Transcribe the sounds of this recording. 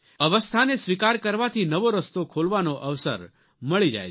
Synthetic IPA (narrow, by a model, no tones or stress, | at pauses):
əʋəst̪ʰanesʋikaɾkəɾʋat̪ʰinəʋoɾəst̪okʰolʋanoʔəʋsə̰ɾ | məɭid͡ʒa̰j